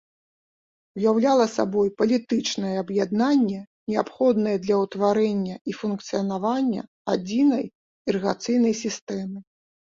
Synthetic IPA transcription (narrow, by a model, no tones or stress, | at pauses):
ujawlʲalˠɐsa̰bɔjpɐlʲit̪ɨt͡ʂnɐjɛɐbjad̪nanʲːɛ | nʲɛapxɔd̪nɐjɛd̪lʲɐwt̪vaɾɛnʲːɐifunkt̪sɨjɐnavanʲːɐ̰ | a̰d͡zʲinɐj | iɾɨɣat̪sɨjn̪ɐjsʲist̪ɛmɨ